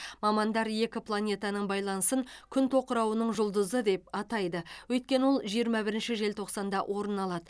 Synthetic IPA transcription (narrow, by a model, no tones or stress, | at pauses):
mɑmɑnd̪ɑɾje̞kʲɪplˠanʲe̞t̪ɑnəɴbɑjlˠɑnəsəŋkʲʰʏnt̪ʰo̞qəɾɑwənəɴʒʊlˠd̪əzəd̪e̞p̚ɑt̪ɑjd̪əwɵjt̪̚kʲe̞nəwo̞lˠʒijəɾmɑbɪɾɪnʃɪʒe̞lt̪ʰo̞qsɑnd̪ɑʔwʔo̞ɾənɑlˠɑd̪ə